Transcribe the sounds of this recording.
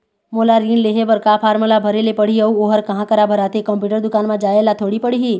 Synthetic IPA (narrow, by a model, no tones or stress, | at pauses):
moːlaɾiːnleːɦebɐɾkaːpʰaːɾməlabʱɐɾelepɐɽ̤iəuoːɦəɾkɐɦãkəɾabʱɐɾaːt̪ekɐ̃mpjuːʈəɾd̪ʊkaːnmãd͡ʒaːelat̪ʰoːɽipəɽ̤iɦiː